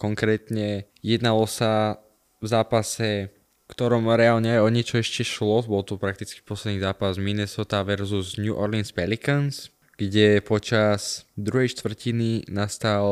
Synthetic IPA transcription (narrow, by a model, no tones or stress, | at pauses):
kɔŋkɾɛːt̪ɲɛ | jɛd̪nalɔsa | vzaːpasɛ | fkt̪ɔɾɔmɾɛalɲɛɛɔɲɛt͡ʃɔɛʃcɛʃlɔbɔlt̪upɾak̚t̪it͡ski̥pɔslɛd̪niːzaːpazminɛsɔt̪aʋɛɾzuzɲuʔɔɾlinspɛlikans | ɡ̥ɟɛpɔt͡ʃaz̥d̪ɾuɦɛjʃt̪ʋr̩cininast̪al